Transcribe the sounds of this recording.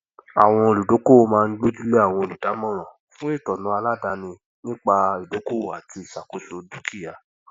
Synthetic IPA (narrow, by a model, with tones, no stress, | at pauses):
a̰˦˨w̃ɔ̃˧˨lu˨do˨˦ko˦o˧mãː˦˧n̩˦ɡ͡bo˦d͡ʒu˦le˦a˦˨w̃ɔ̃˧o˨lu˨da˨˦mɔ̃˦˨ɾ̃ã˨ | fũ˦e˦˨tɔ˨nũ˨˦a˧la˦da˨˧nĩ˧ | nĩ˦k͡pa˧i˨do˨˦ko˦o˨a˨ti˧˦i˨ʃa˨ko˨˦so˧du˦kʰi˦ja˨